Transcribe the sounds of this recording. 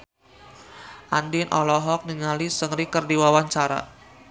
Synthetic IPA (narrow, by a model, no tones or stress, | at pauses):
ʔandinʔɔ̰lɔɦɔk̚niŋalisəŋɾikərdiwawaɲt͡ʃaɾa̰